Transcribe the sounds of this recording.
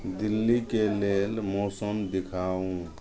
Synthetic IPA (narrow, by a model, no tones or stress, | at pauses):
d̪ilːikelelmɔːsəmd̪ikʰaːũ